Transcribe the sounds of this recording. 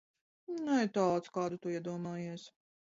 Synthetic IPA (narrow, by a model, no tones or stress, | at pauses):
nuɛt̪aːt̪skɑːd̪ut̪uiɛd̪uɔmɑːjiɛs